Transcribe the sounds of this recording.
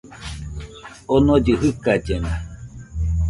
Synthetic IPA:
onõd͡ʒɨɦɯkad͡ʒenã

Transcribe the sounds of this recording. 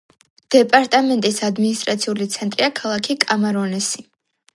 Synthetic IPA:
d̪̥ɛpʼaɾt̪ʼamɛnt̪ʼisad̪minist̪ʼɾat̪sʰiulit̪sʰɛnt̪ʼɾiakʰalˠakʰikʼamaɾɔnɛsi

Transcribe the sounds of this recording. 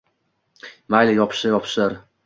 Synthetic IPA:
majlajɒpʰʃɪjɒpʰʃɪɾ

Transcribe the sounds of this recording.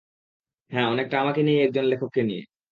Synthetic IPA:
ɦɛ̃ːɔnek̚ʈaamakenijɛk̚d͡ʑonlekʰokːenijḛ

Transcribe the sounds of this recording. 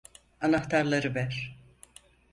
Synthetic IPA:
anaxt̪ʰaɾlˠaɾɯbæɾ

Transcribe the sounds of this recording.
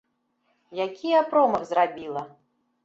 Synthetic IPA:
jakʲijapɾɔmɐɣzrabʲilˠɐ

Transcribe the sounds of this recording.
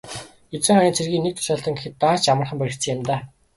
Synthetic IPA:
et͡sɘ̆ŋχaniːnt͡sʰerɣiːnek̚t̪ʰʊ̥ʃaːɬt̪ə̆ŋɡexɘ̆t̪ːaːt͡ɕamə̆rχə̆mpæɾʲɪ̆kt͡sʰɘ̆ŋɪmt̪aː

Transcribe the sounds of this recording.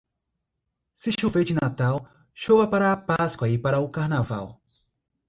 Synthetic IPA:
sɪʃuved͡ʒɪnat̪aw | ʃowɐpaɾɐːpaskwɐipaɾɐʊkaɾnava̰w

